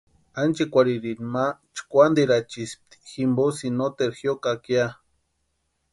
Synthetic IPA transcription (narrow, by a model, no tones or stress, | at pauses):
ant͡ʃikʷaɾiɾinmat͡ʃkʷand̪eɾat͡ʃisp̚t̪i̥ximbosinot̪eɾxjokakja